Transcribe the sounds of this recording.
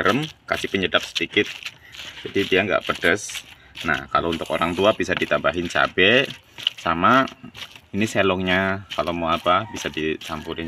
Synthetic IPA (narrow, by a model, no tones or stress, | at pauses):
əɾəmka̰sɪpəɲədap̚sə̥dikɪt̪̚ | d͡ʒadidiaŋɡa̰ʔpədəs | na̰hka̰lount̪ʊkoɾaŋt̪uabisadit̪abaɦɪnt͡ʃa̰bɛ | sama | iniselɔŋɲakalomaapabisadisampuɾɪn